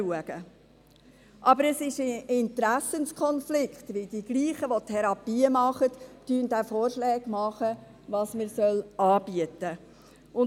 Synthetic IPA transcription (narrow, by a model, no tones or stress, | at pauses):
uəɡ̥ə | ʔɑbəɾɛsɪʃɪnt̪ɾæsənskʰɔnflɪkχt̪ʋɪld̥̪iɡ̥liːχəʋotʰɛɾɑpiːəmɑχətːyənd̪æfɔːrʃlɛːɡ̥mɑχə | ʋɑːsməɾsœlɑːb̥iət̪ə | ʊn